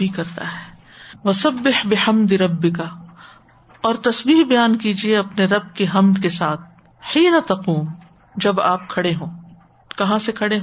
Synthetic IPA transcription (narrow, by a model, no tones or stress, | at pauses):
bʱikɐɾt̪a̰ɦɛː | ʋɐsɐbːɪħbɪħɐmd̪ɪɾɐbːɪka | ɔːɾt̪ɐsbiːɦbɐjaːnkiːd͡ʒieɐpneɾɐb̚keɦɐmd̪kesaːt̪̚ʰ | ħiːnat̪ɐquːm | d͡ʒɐbaːp̚kʰɐɽeɦõː | kɐɦãsekʰɐɽeɦ